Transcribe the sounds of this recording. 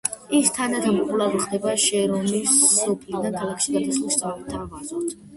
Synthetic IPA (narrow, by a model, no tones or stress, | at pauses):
ist̪ʰanad̪ɔmqʼulˠaviχd̪ɛbaʃɛɾɔmisːɔpʰlid̪ankʰalˠakʰʃid̪ad̪asχlˠist̪sʼaɛp̚t̪ʰa